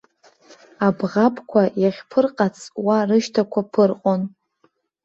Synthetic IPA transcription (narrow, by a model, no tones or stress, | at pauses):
abʁapʰʼkʷʰajaχʲpʰɨrqʼat͡sʰʼwarɨʃtʰakʷʰapʰɨrqʼon